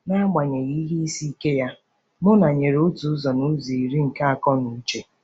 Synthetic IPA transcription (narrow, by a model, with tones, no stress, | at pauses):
na˦a˦ɡ͡ba˨ɲe˨ɣi˦ɦi˦i˦si˦ke˦ja˦ | mʊ˦na˨ɲe˨ɾo˦tu˨˦zɔ˨nu˦zi˨i˨ɾi˦ŋ̩˨ka˦a˨kɔ˦nu˨˦t͡ʃe˨